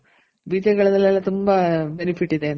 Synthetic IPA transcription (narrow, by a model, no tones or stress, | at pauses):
biːt̪ɐkɐɭɐðɐlalɐt̪umbɐbenifiʈːiðen